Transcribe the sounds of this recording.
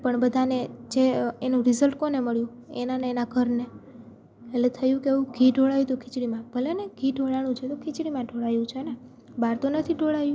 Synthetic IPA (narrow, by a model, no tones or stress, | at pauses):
pəɳbəd̪ʱaned͡ʒeenũɾizəlʈkoneməɭjũ | ḛnaneːnaɡʱəɾne | elet̪ʰəjũkeeũɡʱiɖʱoɭajut̪ukʰɪt͡ʃɽimãb̥ʱəleneɡʱiɖʱoɭañũt͡ʃʰet̪okʰɪt͡ʃɽimãɖʱoɭajũt͡ʃʰene | baɾt̪onət̪ʰiɖʱoɭajũ